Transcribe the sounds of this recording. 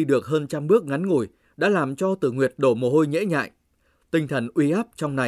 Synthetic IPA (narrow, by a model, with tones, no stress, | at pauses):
ɗɨ˨˩ək̚ɦəː˧nt͡ɕa˧mɓɨ˦˥ək̚ŋa˨˦nŋo˧˩j | ɗa̰ː˧˥laː˨˩mt͡ɕɔ˧t̪ɨ˧˩ŋwi˨˩ət̚ɗo˧˩mo˨˩ho˧jŋḛ˧˥ɲa̰ː˧˨j | t̪ï˧ŋ̟t̪ʰə˧˩nʔwi˧ʔa˦˥p̚t͡ɕɔ˧wŋ͡mna˨˩